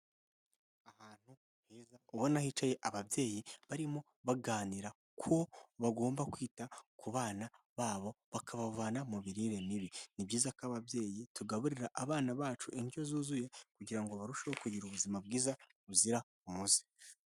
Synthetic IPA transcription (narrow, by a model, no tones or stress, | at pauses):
ahaːn̥hu | hiːzauβonahiːt͡ʃaje̞ʔaβabje̞ːjiβaɾimo̞ | βaɡaːniɾa | kʰoβaɡo̞ːmbakwiːtakuβaːna | βaːβo̞βakʰaβavaːnamuβiɾiɾe̞niβinibɟiːzakaβabje̞ːjituɡaβuɾiɾaʔaβaːnaβaːt͡ʃuʔiɲɟio̞zuːzuje̞kuɟiɾaŋɡo̞βaɾuʃahokuɟiɾuβuzimab̚ɡiːza | uziɾa | umuzi̥